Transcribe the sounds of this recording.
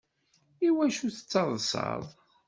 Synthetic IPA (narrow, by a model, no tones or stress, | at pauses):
iwæʃuθə̥t͡sːɑðˤsɑ̰ðˤ